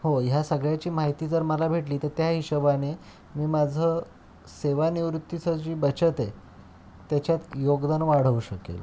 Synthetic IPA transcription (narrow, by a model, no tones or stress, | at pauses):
hojasəɡɭjat͡ɕiːmaɦit̪iːd͡zəɾməlabʱeʈliːt̪əɾt̪jaɦiɕəbane | miːmad͡zʱə | seʋaniʋɾut̪ːit͡səd͡ʑiːbət͡ɕət̪e | t̪jat͡ɕjat̪joɡd̪anʋaɽ̤əuɕəkḛl